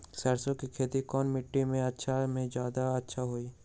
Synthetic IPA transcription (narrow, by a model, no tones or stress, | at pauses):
səɾsõkikʰeːt̪ikɔːnmɪʈːimẽɐtːʃʰamẽd͡ʒjaːd̪aɐtːʃʰaɦoːi